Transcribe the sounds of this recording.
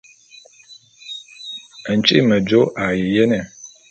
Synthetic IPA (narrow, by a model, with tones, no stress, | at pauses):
ə˨n̩˨t͡ʃʼḭ˦mə˨d͡ʒo˦ʔa˨ji˨jɛ˦nɛ˨